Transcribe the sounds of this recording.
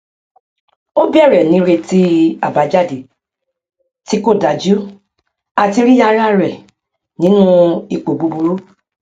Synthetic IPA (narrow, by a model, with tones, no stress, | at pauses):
o˦bi˦ɛ˦˨ɾɛ˨nĩ˨˦ɾe˧ti˦a˨ba˨˦d͡ʒa˦˨di˨ | ti˨˦ko˦˨da˨d͡ʒu˦ | a˨ti˧ɾi˦ja˧˦ɾa˦ɾɛ˨ | nĩ˨˦nũ˦i˧k͡po˨bu˧bu˧ɾu˦